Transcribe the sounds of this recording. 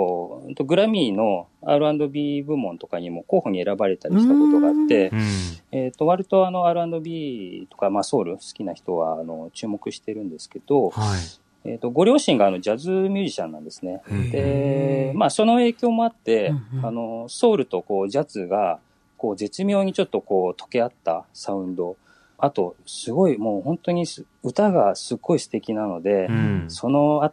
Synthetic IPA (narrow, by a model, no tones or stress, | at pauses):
t̪o̞ɡɯ̟ɾamʲiːno̞a̰ɾɯ̟ãnd̪o̞bʲibɯ̟mõ̞nt̪o̞kaɲ̟imo̞ko̞ːho̞ɲ̟ie̞ɾabaɾe̞t̪aɾʲiɕi̥t̪ako̞t̪o̞ɡaat̪ːe̞ | et̪ːo̞βaɾʲit̪o̞ano̞aɾɯ̟ãnd̪o̞bʲit̪o̞kamaso̞ːɾɯ̟sɨ̥kʲinaçi̥t̪o̞βa̰ːno̞t͡ɕɨːmo̞kɯ̟ɕi̥t̪e̞ɾɯ̟̃nd̪e̞sɨ̥ke̞d̪̥o̞ | e̞̰t̪ːo̞ɡo̞ɾʲjoːɕĩŋɡaːno̞d͡ʑazɨmʲjɨːʑiɕã̰nːã̰nd̪e̞sɨ̥ne̞d̪̥e̞maːso̞no̞e̞ːkʲo̞ːmo̞at̪ːe̞ano̞so̞ːɾɯ̟t̪o̞ko̞ːʑat͡sɨɡa | ko̞ːze̞t͡sɨmʲjo̞ːɲ̟it͡ɕo̞t̪ːo̞ko̞ːt̪ʰo̞̥ke̞at̪ːa̰saɯ̟̃nd̪o̞ | at̪o̞sɨɡo̞imo̞ːhõ̞nt̪o̞ɲ̟is | ɯ̟t̪aɡasɨɡːo̞isɨ̥t̪e̞kʲinano̞d̪e̞so̞no̞a